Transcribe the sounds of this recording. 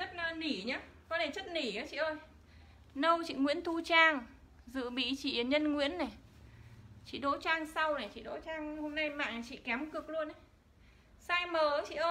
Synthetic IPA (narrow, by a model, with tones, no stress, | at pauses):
t͡ɕə˦˥t̚na˨˧˦ni˧˩ɲaː˨˦ | kɔ˨˦t̪ʰe˧˩t͡ɕə˦˥t̚ni˧˩əː˨˦t͡ɕḭ˧˨ʔəː˧j | nə˧wt͡ɕḭ˧˨ŋwḭ˧˥ənt̪ʰu˧t͡ɕaː˧ŋ | zɨ̰˧˨ɓḭ˧˨t͡ɕḭ˧˨ə˨˩ɲə˧nŋwḭ˧˥ənːa˨˩ | t͡ɕḭ˧˨ɗo̰˧˥t͡ɕaː˧ŋsa˧wna˨˩t͡ɕḭ˧˨ɗo̰˧˥t͡ɕaː˧ŋho˧mna˧jma̰ː˧˨ŋn˨˩t͡ɕḭ˧˨kɛ˨˦mkɨ˨˩ək̚lu˧ənʔə˨˦j | saː˧jməː˨˩˦t͡ɕḭ˧˨ʔəː˧